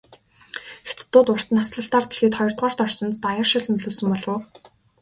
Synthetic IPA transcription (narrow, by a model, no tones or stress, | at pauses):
et̪t̪ːʊːt̪ʊr̥t̪ə̆nasɮə̆ɬt̪aːrt̪̆ɮxiːt̪χɔjɞ̆r̥t̪̚ʁaːr̥t̪ɔrsɞ̆nt̪t̪ajə̆rʃɪ̆ɮnɵɮoːsɵ̆mpɔɮʊː